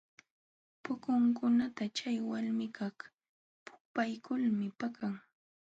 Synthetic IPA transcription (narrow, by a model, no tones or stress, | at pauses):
pʊkʊŋkʊnat̪at͡ʃajwalmɪkaχ | pʊ̥pajkʊlmɪpakaŋ